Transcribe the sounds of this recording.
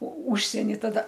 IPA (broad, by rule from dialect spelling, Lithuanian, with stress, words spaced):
oː ˈʊʃʲsʲiɛnʲɪ tɐˈdɐ